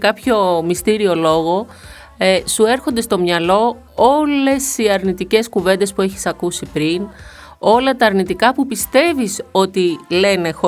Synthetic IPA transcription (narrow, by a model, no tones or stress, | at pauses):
kɐpço̞mist̪iɾio̞lo̞ɣo̞ | sue̞ɾxo̞nd̪est̪o̞mɲɐlo̞ | ole̞siɐɾnit̪ice̞skuve̞nd̪e̞spue̞çi̥sɐkusipɾin | o̞lɐt̪ɐːɾnit̪ikɐpupist̪e̞viso̞t̪ile̞ne̞xo